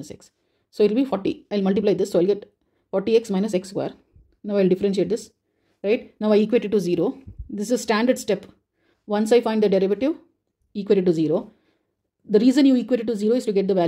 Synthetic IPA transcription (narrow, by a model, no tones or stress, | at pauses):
əsḛksː | oːɪʈlbiːfɔːɾʈḭaɪlmɐlʈ̬ɪplaɪd̪ɪsːoːaɪlɡɛʈ | fɔːɾʈieksmãɪnəsekskʋa̰ːɾ | naʊaɪlɖɪfəɾẽnʃ̬eːʈ̚d̪ɪs | ɾaɪʈnaʊaɪiːkʋeːʈɪɖ̚ʈuziːɾoːd̪ɪsɪzsʈæ̃ɳɖəɾɖsʈɛp | ʋʌ̃nsaɪfãɪ̃ɳɖd̪əɖɛɾɪʋəʈɪʋ | iːkʋeːʈɪɖʈːuziːɾoː | d̪əɾiːzə̃njuːiːkʋeʈɪɖʈːuziːɾoːɪsʈuɡɛʈ̚d̪əʋæ